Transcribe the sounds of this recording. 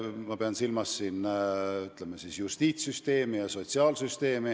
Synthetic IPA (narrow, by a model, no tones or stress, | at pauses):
mɑpeɑnsilmɑsːinːyt̪lemɑsisjust̪iːt̪syst̪e̞ːmijɑso̞t̪ʲsiɑːlsyst̪e̞ːmi